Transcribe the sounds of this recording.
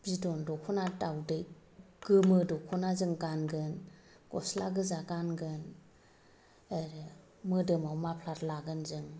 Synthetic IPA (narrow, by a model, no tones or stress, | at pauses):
b̥idɔndɔkʰɔnatawdɯj | ɡ̥ɯmɯdɔkʰɔnazɯŋɡanɡɯn | ɡ̥ɔslaɡɯzaɡanɡɯn | eɾ | mɯdɯmawmapʰlaɾlaɡɯnzɯŋ